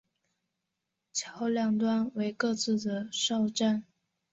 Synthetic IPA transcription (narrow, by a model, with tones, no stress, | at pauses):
t͡ɕʰjɑ˧˥ʊljɑ˥˩ŋt̪wa˥nwe˧˥ɪkɤ˥˧t͡sɹ̩˥˩d̪ə˩ʂɑ˥˧ʊʈ͡ʂa˥˩n